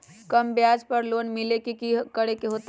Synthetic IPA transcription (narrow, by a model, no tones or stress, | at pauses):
kəmbjaːd͡ʒpəɾloːnmɪlekikikəɽekeɦoːt̪